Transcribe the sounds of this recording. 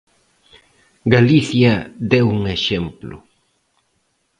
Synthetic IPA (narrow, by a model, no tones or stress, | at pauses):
ɡaliθjɐd̪ewuŋeʃemplʊ̰